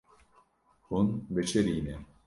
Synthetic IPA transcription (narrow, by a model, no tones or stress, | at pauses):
unbet͡ʃʰeɾinɛ